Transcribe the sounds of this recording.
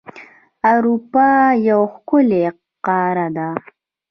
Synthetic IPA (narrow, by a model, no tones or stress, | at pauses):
awɾupɑjawxkʊle | qɑɾad̪a